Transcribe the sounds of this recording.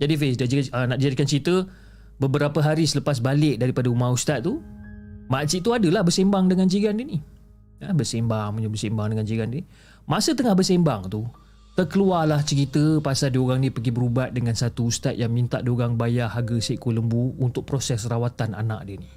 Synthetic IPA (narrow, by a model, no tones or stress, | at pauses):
d͡ʒadifesdad͡ʒiənaʔdid͡ʒadikant͡ʃəɾit̪ə | bəbəɾapəɦaɾisələpas̬balɪʔ̚daɾipadaumaust̪at̪̚ːu | masiʔt̪uadəlahbərsembaŋdəŋand͡ʒiɡandini | əbəsembaŋməɲəbərsembaŋdəŋand͡ʒiɡandini | masət̪əŋahbərsembaŋt̪u | t̪ərkəlualaht͡ʃəɾit̪əpasaldioɣaŋnĩpəɡibəɾubaʔ̪̚dəŋansat̪uust̪at̪̚jaŋmint̪aʔdioɣaŋbajahaɡəseʔkoləmbuunt̪ʊk̚pɾosɛsrawat̪ana̰na̰ʔ̚diəni